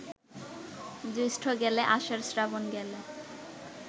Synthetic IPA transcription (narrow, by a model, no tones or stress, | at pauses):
dusʈʰoɡɛleʔaʃaɾsɾabonɡɛle